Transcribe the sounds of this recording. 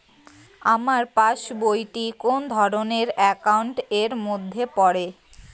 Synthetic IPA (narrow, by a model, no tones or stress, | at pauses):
amaɾpaʃbojʈikond̪ʱɔɾoneɾɛkawɳʈeɾmod̪ʱːepɔɾe